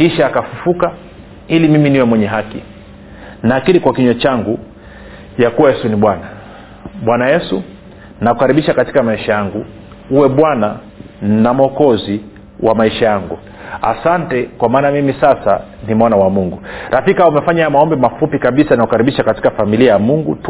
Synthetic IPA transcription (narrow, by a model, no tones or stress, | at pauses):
hiʃaːkafufuka | ilimiminiwɛmwɛɲɛɦakḭ | naːkilikwakiɲɔt͡ʃaŋɡu | jakuwajɛsuniɓwana | ɓwanajɛsu | nakukaɾiɓiʃakati̥kamaiʃajaŋɡu | uwɛɓwana | namɔkɔzi | wamaiʃajaŋɡu | a̰santɛkwamaːnamimisasa | nimɔnawamuŋɡuɾʔafikaumɛfaɲajamaɔmbɛmafupikaɓisanakukaɾiɓiʃakati̥kafamiliajamuŋɡut